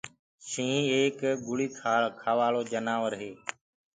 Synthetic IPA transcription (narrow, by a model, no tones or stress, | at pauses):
ʃĩːeːkɡʊɭiːkʰaːkʰaːʋaːɭoːd͡ʒənaːʋəɾɦeː